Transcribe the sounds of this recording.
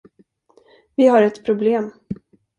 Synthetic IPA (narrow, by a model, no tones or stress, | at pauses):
vɪɦaɾɛt̪pʰɾʊbleːm